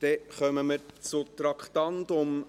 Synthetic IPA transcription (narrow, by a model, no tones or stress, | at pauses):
d̪̥ɛχœməməɾt͡sʊt̪ɾɑkχt̪ɑntʊm